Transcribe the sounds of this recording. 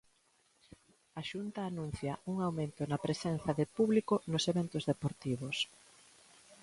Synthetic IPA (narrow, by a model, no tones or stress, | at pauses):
aʃunt̪aːnũn̟θjɐuŋawmẽnt̪ʊnɐpɾesen̟θɐðɪpuβlikonoseβent̪ʊzðepoɾt̪iβ̞os